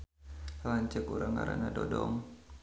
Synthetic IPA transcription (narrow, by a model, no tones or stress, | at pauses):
laɲt͡ʃəkuɾaŋaɾanadɔdɔŋ